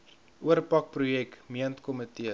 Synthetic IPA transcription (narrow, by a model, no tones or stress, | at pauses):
ʔuərpɐk̚prujɛkmiəntkɔmətiə